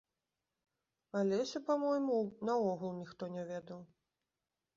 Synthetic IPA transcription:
alʲɛsʲɐpamɔjmunɐɔɣulˠnʲixt̪ɔnʲɛvʲɛd̪ɐw

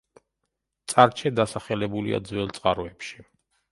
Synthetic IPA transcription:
t̪sʼaɾt͡ʃʰɛd̪asaχɛlɛbulḭa̰d̪zwɛlˠt̪sʼqʼaɾɔɛpʃi̥

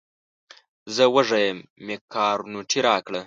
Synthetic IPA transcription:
zəwəʐajəmːekɑːɾunuʈ͡ʂʰiɾɑːkɽə

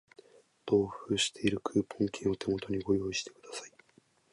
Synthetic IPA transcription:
t̪o̞ːɸɯːɕi̥t̪ʰe̞iɾɯ̟kʰɯːpʰõ̞ŋkʲʰẽɰ̃o̞t̪ʰe̞mo̞t̪o̞ɲ̟iɡo̞jo̞ːiɕi̥t̪e̞kɯ̟d̪asai̥

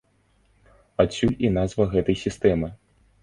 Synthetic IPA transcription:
asʲːulʲinazvɐɣɛt̪ɐjsʲist̪ɛmɨ

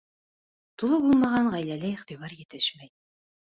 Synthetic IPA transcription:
t̪ulˠɤbulˠmɑʁɑɴʁæjlælɘiχt̪iβɑɾjɘ̆t̪ɘʃmæj

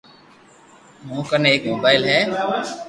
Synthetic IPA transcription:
mũːkəneeːkmoːbaːɪlɦɛː

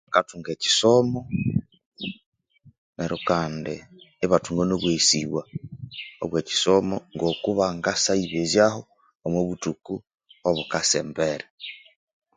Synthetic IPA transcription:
akatuŋɡeːci̥somo | neɾokaːndeː | βatuŋɡonoβwesiβwa | o̰βweːci̥somoŋɡokuβaŋɡasaiβezjahoː | moβutuku | oβukasḛːmbeɾe

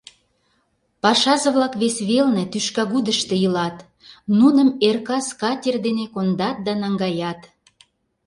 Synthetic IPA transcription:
pɑʃɑʒɤ̆βlɑkβesβelnĕt̪yʃkɑɣud̪əʃt̪ejəlɑt̪ | nunəmerkɑskɑtʲerd̪enekond̪ɑt̪̚d̪ɑnɑŋɡɑjɑt̪

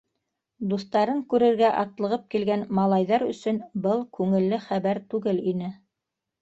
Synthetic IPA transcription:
d̪ust̪ɑɾɤŋkʉɾɘ̆ɾɡæʔɑt̪lˠɤ̆ʁɤp̚kilɡænmɑlˠɑjðɑɾɵ̆sɵ̆nbɤlˠkʉŋɘ̆lːɘχæβæɾt̪ʉɡɘlinɘ

